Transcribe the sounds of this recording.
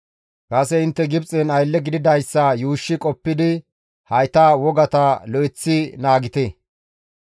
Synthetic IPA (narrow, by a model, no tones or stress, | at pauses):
kʼɐsɛɪnt̪ːɛɡɪbt͡sʼɪnɐjlːɛɡɪd̪ɪd̪ɐjsːɐjuːʃːɪkʼɔpːɪd̪ɪ | hɐjt̪aːwɔɡɐt̪ɐlɔɪt͡sːɪnaːɡɪt̪e